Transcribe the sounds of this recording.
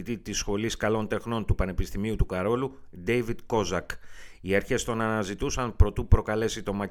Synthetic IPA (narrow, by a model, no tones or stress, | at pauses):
it̪it̪isxo̞liskɐlo̞nt̪e̞xno̞nt̪upɐne̞pist̪imiut̪ukɐɾo̞lud̪e̞jvid̪ko̞zɐkiɐɾçe̞st̪o̞nɐnɐzit̪usɐnpɾo̞t̪upɾo̞kɐle̞sit̪o̞mɐ